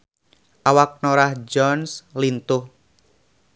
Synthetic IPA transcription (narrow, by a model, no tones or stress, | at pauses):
ʔawak̚noɾahd͡ʒɔnslint̪ʊh